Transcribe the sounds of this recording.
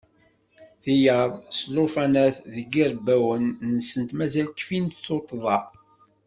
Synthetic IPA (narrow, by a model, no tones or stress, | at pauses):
θijəðˤslofɑnæθðəɡiɾbæwənːənsənt̪mæzælkfint̪θot̪ˤːðˤɑ